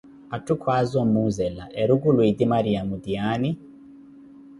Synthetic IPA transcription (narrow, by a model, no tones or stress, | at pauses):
atukʰwazɔmuzɛlaʔɛɾuɡulwidimaɾiamudiani